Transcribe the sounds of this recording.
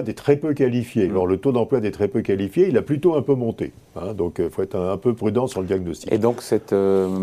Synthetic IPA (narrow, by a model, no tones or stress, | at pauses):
d̪ɛt̪χɛpøkʲalifjelɔʁlət̪od̪ɑ̃plwad̪ɛt̪χɛpøkalifjeilaplyt̪oɛ̃pømɔ̃t̪ḛ | ɛ̃d̪ɔ̃kifoɛt̪χɛ̃pøpχyd̪ɑ̃syʁləd̪jaɡnɔst̪i̥ḛd̪ɔ̃ksɛt̪